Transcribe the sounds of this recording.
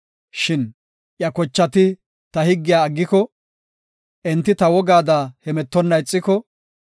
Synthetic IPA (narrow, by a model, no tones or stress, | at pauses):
ʃɪn | ʔjɐkɔt͡ʃːɐt̪ɪ | t̪ɐhɪɡːɪjaːɡːɪkɔ | ʔɛnt̪ːɪt̪ɐwɔɡaːd̪aːhɛmɛt̪ːɔnːɐɪt͡sʼːɪkɔ